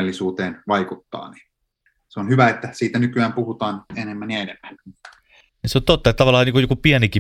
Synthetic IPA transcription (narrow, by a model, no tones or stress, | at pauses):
elːisuːt̪eːnʋɑikut̪ːɑ̰ːni̥ | seonhyʋæet̪ːæsiːt̪ænykyæːmpuhut̪ɑːnenemːænjɑenemːæn | niseont̪ot̪ːɑet̪æt̪ɑʋɑlːˑɑniŋkujokupiæniki